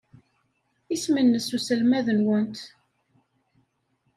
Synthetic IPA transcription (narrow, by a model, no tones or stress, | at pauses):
ismənːəsusəlmæðənwənt̪